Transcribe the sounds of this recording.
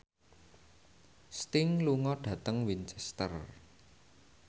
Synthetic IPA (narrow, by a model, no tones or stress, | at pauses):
st̪ɪŋluŋɔɖ̥ä̤t̪əŋwint͡ʃɛst̪ə̰r